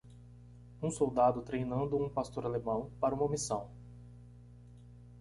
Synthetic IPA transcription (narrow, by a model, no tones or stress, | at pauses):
ũsowd̪ad̪ʊt̪ɾejnɐ̃nd̪ʊũpast̪oɾalemɐ̃w̃paɾɐũmɐomisɐ̃w̃